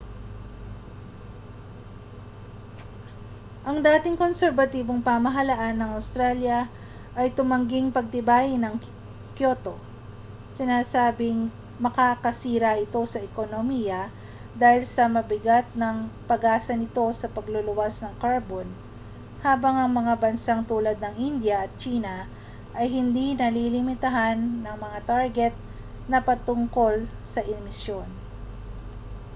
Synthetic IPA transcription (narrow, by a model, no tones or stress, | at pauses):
ʔɐŋd̪aːt̪ɪŋko̞nsɛɾvɐt̪iːbo̞ŋpamɐɦɐlɐʔanːɐŋɐwst̪ɾaljɐ | ʔɐjt̪ʊmɐŋɡɪŋpɐɡ̚t̪ɪbaːjɪnɐŋ | kjo̞t̪o̞ | sɪnaːsaːbɪŋ | mɐkakɐsiːɾaʔɪt̪o̞sɐʔɛkonomijɐ | d̪aːhɪlsɐmɐbɪɡat̪̚nɐŋpɐɡaːsɐnɪt̪o̞sɐpɐɡlolʊwasnɐŋkaɹbon | haːbɐŋʔɐŋmɐŋabɐnsaŋt̪uːlɐd̪̚nɐŋʔind̪jɐʔɐt̪̚t͡ʃiːnɐ | ʔɐjɦɪnd̪inɐlilɪmɪt̪ɐɦanːɐŋmɐŋat̪aɹɡɛt̪̚ | nɐpɐt̪ʊŋko̞lsɐʔɪmɪsjo̞n